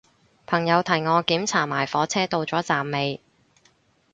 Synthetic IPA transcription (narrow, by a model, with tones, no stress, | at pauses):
pʰɐ˨˩ŋjɐ˨˧wt̪ʰɐ˨˩jŋɔː˨˧kiː˨˥mt͡sʰaː˨˩maː˨˩jfɔː˨˥t͡sʰɛː˥t̪o˧wt͡sɔː˨˥t͡saː˨mːe˨˧j